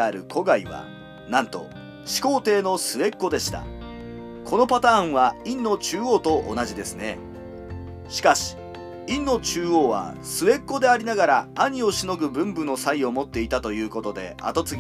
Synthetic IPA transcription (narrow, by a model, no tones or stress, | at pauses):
aɾɯ̟kʰo̞ɡaiβa̰ | nãnt̪o̞̰ | ɕi̥ko̞ːt̪e̞ːno̞sɨe̞kːo̞d̪e̞ɕi̥t̪a̰ | kʰo̞no̞pat̪ãːɰ̃βaĩnːo̞t͡ɕɨːo̞ːt̪o̞ʔo̰naʑid̪e̞sɨne̞̰ | ɕi̥kaɕi̥ | ĩnːo̞t͡ɕɨːoːβa̰ | sɨβe̞kːo̞d̪e̞aɾʲinaɡaɾaːɲ̟io̞ɕino̞ɡɯ̟bɯ̟̃mbɯ̟no̞saio̞mo̞t̪ːe̞it̪at̪o̞jɯ̟ːko̞t̪o̞d̪e̞̰a̰t̪o̞t͡sɨɡʲ